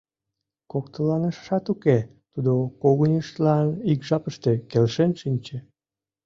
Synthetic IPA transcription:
kok̚t̪əlɑnəʃʃɑt̪uke | t̪ud̪okoɣunʲiʃt̪lɑnikʒɑpəʃt̪e̽kelʃenʃinʲt͡ɕe

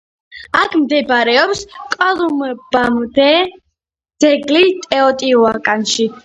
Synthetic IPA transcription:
akʰmd̪ɛbɾɛɔpskʼɔlˠumbamd̪ɛ | d̪̥ɛɡlit̪ʼɛɔt̪ʼiuakʼanʃi

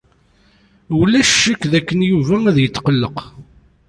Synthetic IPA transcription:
wlæʃːəkːðækːənjuvææðjət̪ːqəlːəq

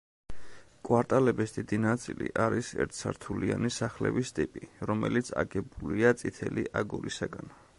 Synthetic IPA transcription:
kʼwaɾt̪ʼalɛbisd̪̥id̪inat̪sʼilḭʔaɾisɛ̰ɾt̪ʰsaɾt̪ʰulianisaχlɛ̰bist̪ʼipʼiɾɔmɛlit̪sʰa̰ɡɛbuliat̪sʼit̪ʰɛliʔaɡuɾisaɡan

